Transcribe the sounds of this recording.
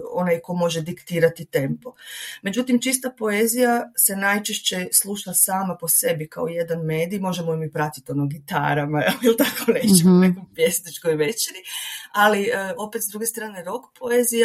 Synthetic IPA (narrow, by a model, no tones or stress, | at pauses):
o̞najko̞mo̞ʒe̞d̪ikt̪iːɾat̪it̪e̞mpo̞me̞d͡ʑut̪imt͡ʃis̬t̪apo̞ezijase̞najt͡ʃeʃt͡ɕeslˠuːʃasaːmapo̞se̞bika̰oje̞d̪anme̞ːd̪ijmo̞ʒemojimipɾat̪i̥t̪io̞noɡit̪a̰ːɾamaelilˠt̪akoneːt͡ɕemonekojpjesnit͡ʃkojʋet͡ʃeɾialiəo̞pe̞t̪zd̪ɾuɡe̞st̪ɾaːneɾo̞kpʰo̞ezija